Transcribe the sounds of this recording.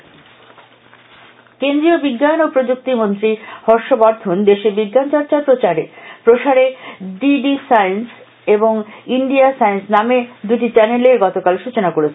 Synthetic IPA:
kend̪ɾiobiɡːanopɾod͡ʑuk̚t̪imont̪ɾihɔɾʃobaɾd̪ʰʱond̪eʃebiɡːant͡ɕaɾt͡ɕapɾot͡ɕaɾepɾoʃaɾeɖiɖisajns | eboŋiɳɖiasajnsnamed̪uʈit͡ɕɛneleɾɡɔt̪okalʃut͡ɕonakoɾet͡ɕʰe

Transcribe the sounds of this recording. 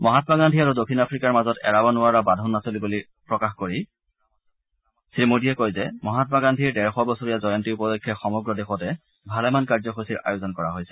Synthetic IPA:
mɔɦatɔmaɡandʱiaɹudokʰːinapʰɹikaɹmazɔtɛ̰ɹabɔnʊaɹabadʱɔnːasolibuli | pɹɔkaxkoɹi | sɹimodiɛkojzɛmɔɦatɔmaɡandʱiɹdɛɹxɔbɔsoɹijazɔjɔntiupɔlɔkʰːjɔxɔmɔɡɹɔdexɔtɛ | bʱalɛmankaɹzɔxosiɹa̰jozɔnkɔɹaɦojsɛ̥

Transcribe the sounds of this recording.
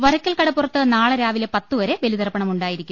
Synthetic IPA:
ʋɐɾɐkːɐlkɐɽɐpːurɐt̪ːɨnaːɭɐɾaːʋilepɐt̪ːuʋɐɾe̞ʋe̞lid̪ɐrɐpːɐɳɐmuɳɖaːjiɾikʲːumm

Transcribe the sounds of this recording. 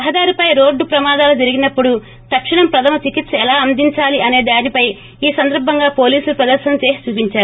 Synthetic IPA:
ɐɦɐd̪aːɾipɐjɾo̞ːɖːupɾɐmaːd̪aːlɐd͡ʒɐɾiɡinɐpːuɽu | t̪ɐkʂiɳɐmpɾɐt̪ʰɐmɐt͡ʃikit̪sɐɛlaːɐnd̪iɲt͡ʃaːliʔɐne̞ːd̪aːnipɐj | iːsɐnd̪ɐɾbʱɐŋɡaːpo̞ːliːsulupɾɐd̪ɐɾʃɐɐmt͡ʃeːsi̥t͡ʃuːpiɲt͡ʃaːɾu

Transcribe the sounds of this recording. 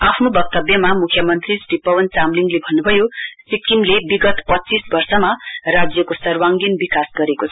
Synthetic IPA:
apʰnobʌk̚t̪ʌbjʌmamukʰjʌmʌnt̪risripʌwʌnt͡samliŋɡlebʱʌnːubʱʌjosikimlebiɡʌt̪pʌtːt͡sisbʌrsʌmarad͡zjʌkosʌrwaŋɡinbikasɡʌɾekot͡sʰʌ

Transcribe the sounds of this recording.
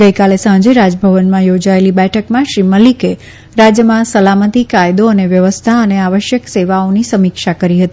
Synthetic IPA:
ɡəjkalesãd͡ʒeɾad͡ʒbʱəʋənmãjod͡ʒaelibɛʈʰəkmãʃɾiməlike | ɾad͡ʒjəmãsəlamət̪ikajd̪oəneʋjəʋəst̪ʰaəneaʋəʃjəkseʋaonisəmikʃakəɾiɦət̪i

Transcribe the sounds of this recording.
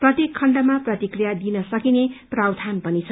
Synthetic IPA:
prʌt̪jekʰːʌɳɖʌmaprʌt̪ikrijad̪inʌsʌkineprawd̪ʱanpʌnit͡sʰʌ

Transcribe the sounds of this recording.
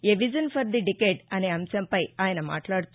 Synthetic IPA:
eʋid͡ʒɐnpʰɐɾd̪iɖikeːɖɐne̞ːɐmsɐmpɐjaːjɐnɐma̰ːʈlaːɽut̪u

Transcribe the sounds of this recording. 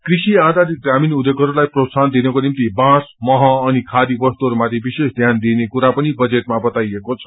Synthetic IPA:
krisiad̪ʱaɾiɡraminud̪eɡʌɾulajprot̪sand̪inʌkonimt̪ibãsmʌɦʌ̃ːnikʰad̪ibʌst̪uɦʌɾumat̪ʰjebisesd̪ʱjand̪inekuɾapʌnibʌd͡zeʈmabʌt̪ajekot͡sʰʌ̥

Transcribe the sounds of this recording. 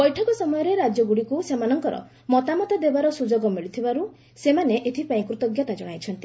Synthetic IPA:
bɔjʈʰɔkɔsɔmɔjɔɾeɾad͡ʒjɔɡuɽikusemanɔŋkɔɾɔ̰ | mɔt̪amɔt̪ad̪ebaɾɔsud͡ʒɔɡɔmiɭit̪ʰibaɾu | semaneʔet̪ʰipaĩkɾut̪ɔɡjɔt̪ad͡ʒɔɽ̃ajt͡ʃʰɔnt̪i

